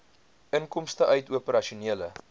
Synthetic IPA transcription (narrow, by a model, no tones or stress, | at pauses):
əŋkɔmstəʔœɥtuəpəɾɐʃiuniələ